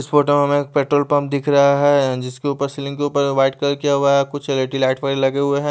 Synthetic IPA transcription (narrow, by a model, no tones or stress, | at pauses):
ɪsfoːʈəmẽɦɐmẽk̚peːʈɾoːlpɐ̃mp̚d̪ɪkʰɾɐɦaɦɛd͡ʒɪskeuːpəɾsɪlɪ̃ŋɡkeuːpəɾʋaɪʈkɐɾkijaɦuaɦɛkʊt͡ʃʰeleʈilaːʈfaɪɾlɐɡeɦʊeɦɛ̃ː